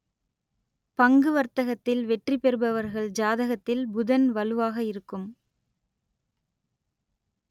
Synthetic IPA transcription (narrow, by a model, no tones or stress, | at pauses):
pɐŋɡɯʋɐɾt̪ɐɣɐt̪ːɪlʋɛʈripɛɾɯbɐʋɐɾɣɐɭd͡ʒaːðɐɣɐt̪ːɪlbʊðɐnʋɐlɯʋaːɣɐɪɾɯkːɯm